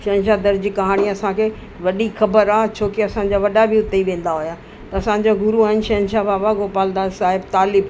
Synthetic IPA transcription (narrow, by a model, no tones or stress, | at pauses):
ʃɐɦə̃nʃad̪ɐɾd͡ʑikɐɦaːɽ̃iɐsãkʰe | ʋɐɗixɐbəɾaːt͡ɕʰoːkeɐsãɲ̆d͡ʑaːʋɐɗabɪʊt̪eiʋẽːn̆d̪aɦʊjaː | t̪ɐɐsãɲ̆d͡ʑoɡʊɾuaːɦɪnɪʃɐɦə̃nʃabaːbaɡoːpaːld̪aːnsaːɦɪb̚t̪aːlɪb